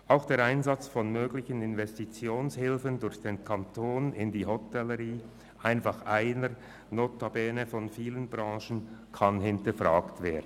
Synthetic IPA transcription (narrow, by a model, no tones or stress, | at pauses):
ʔaʊxd̥eːɐɾaɪnzat͡sfɔnmøːɡlɪçənɪnvɛstit͡sjoːnshɪlfəndʊɾçd̥eːnkʰantʰoːnɪndiːɦɔtɛləʁiː | ʔaɪnfɑχʔaɪnəɾ | noːtabɛːnəfɔnfiːlənbʁɑ̃ːʃən̩kʰanhɪntəfʁaːktveːɐdn̩